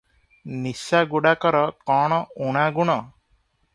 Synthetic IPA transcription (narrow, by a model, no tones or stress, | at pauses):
nisaɡuɽakɔɾɔkɔɽ̃ɔuɽ̃aɡuɽ̃ɔ